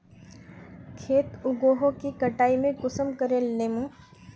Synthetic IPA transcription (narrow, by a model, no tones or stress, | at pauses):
kʰeːt̪ʊɡoːɦõkikɐʈaːimẽɡʊsəmkəɾeleːmũː